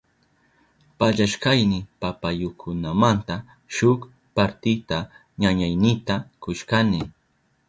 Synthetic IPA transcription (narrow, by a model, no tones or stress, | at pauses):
paʎaʃkajnɪpapajokʰʊnamant̪a | ʃʊk | paɾt̪ɪt̪a | ɲaɲajnɪt̪akʊʃkanɪ